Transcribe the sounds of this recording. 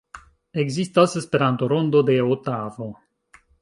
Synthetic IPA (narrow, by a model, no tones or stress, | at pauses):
eɡzist̪asespe̞ɾant̪oɾond̪od̪e̞ot̪avo